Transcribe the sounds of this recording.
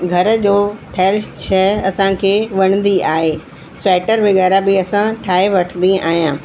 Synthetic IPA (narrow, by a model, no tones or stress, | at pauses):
ɡʱɐɾd͡ʑoːʈʰɛːlʃt͡ɕʰɛɐsãkʰeːʋɐɽ̃nd̪iaːɦeː | sɾɛːʈəɾʋɪɣɛːɾabɪɐsãʈʰaːeʋɐʈʰənd̪ia̰ːɦijãː